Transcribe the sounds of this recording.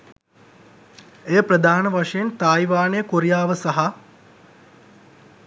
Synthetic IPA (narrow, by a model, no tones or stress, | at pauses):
ejəprəd̪ʱaːnəʋaʂɐjent̪aːjʋaːnejəkoɾijaːʋəsaɦa